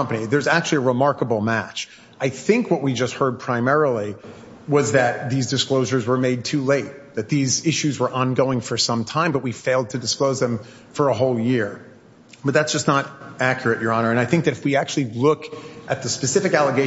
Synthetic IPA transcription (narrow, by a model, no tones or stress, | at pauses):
ʌ̃mpɨniðə˞zæk̚t͡ʃʉl̩ˠiəɹəmɑɹkəbl̩ˠmæt͡ʃ | aɪθɪ̃ŋkwʌʔ̚wid͡ʒʌst̚hɜ˞d̚pʰɹ̥ãɪ̃mɛɹl̩ˠi | wʌzðɨt̪̚ðizdɨskloʊʒə˞zwə˞meɪd̚tʰʉleɪt̪̚ðɨt̪̚ðizɪʃʉzwə˞ʔɑ̃nɡoʊɪ̃ŋfə˞sʌ̃mtʰãɪ̃mbʌt̚wifeɪlˠd̚tʰɨdɨskloʊzðɨ̃ɱ | fə˞əɦoʊlˠjɪɹ | b̥ʌt̪̚ðætsd̥ʒ̥ʌsnəɾækʰjə˞ɨʔə˞ɑnə˞ɨ̃naɪθɪ̃ŋk̚ðɨɾɨfwiæk̚t͡ʃʉl̩ˠilʊkʔɨt̪̚ðɨspɨsɪfɨkælˠəɡeɪ